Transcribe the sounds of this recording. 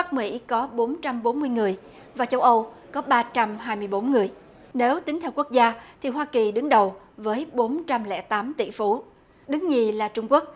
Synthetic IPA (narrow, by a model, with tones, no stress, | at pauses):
ɓa˦˥k̚mḭ˧˥kɔ˨˦ɓo˨˦nt͡ɕa˧mɓo˨˦nmɨ˧əjŋɨ˨˩əj | vaː˨˩t͡ɕə˧wʔə˧w | kɔ˨˦ɓaː˧t͡ɕa˧mɦaː˧jmɨ˧əjɓo˨˦nŋɨ˨˩əj | ne˨˦wt̪ï˨˦ŋt̪ʰɛ˧wku˦˥ək̚zaː˧t̪ʰi˨˩ɦwaː˧ki˨˩ɗɨ˨˦ŋɗə˨˩w | vəː˨˦jɓo˨˦nt͡ɕa˧mlɛ̰˧˥t̪aː˨˦mt̪ḭ˧˩˨fu˨˦ | ɗɨ˨˦ŋɲi˨˩laː˨˩t͡ɕʊ˧ŋ͡mku˦˥ək̚